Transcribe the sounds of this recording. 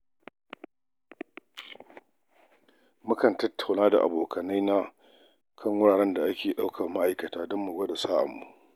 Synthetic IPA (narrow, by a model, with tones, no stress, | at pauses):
mʊ˦kɐ˨ntɐ˦tʰːa˨wnaː˦da̰˨ʔa̰˨boː˨kʰɐ˨na˦jna˦ | kʰɐ˦ŋwʊ˦ɽaː˨ɽɛ˦nda˨ʔa˦kʲeː˨ɗa˦wkʰɐ˨rma˦ʔa˨jkɐ˨taː˦dɔ˦mːu˨ɡɐ˦ɗe˨saː˦ʔa̰˨mːu˦ʔ